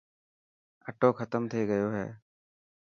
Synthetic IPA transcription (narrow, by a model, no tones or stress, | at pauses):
əʈoːkʰət̪əmt̪ʰeːɡəjoːɦɛ̰ː